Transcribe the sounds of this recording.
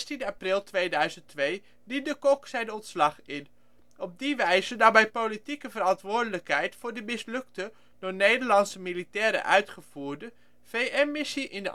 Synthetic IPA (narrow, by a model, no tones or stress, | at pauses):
stindəaprɪlˠtʋejdœɥzənttʋej | dit̚dəkɔksɛjdəɔntslɑχɪn | ɔb̚diʋɛjzədabɛjpolitikəvərɑntʋʊːɹdələkɦɛjtfʊːɹdəmɪslɵktə | d̥ʊnejdəɹlɑnsəmilitɛːɾə̰ʔœɥtχəv̥uːɹdə | v̥ejʔɛnmɪsiʔɪndə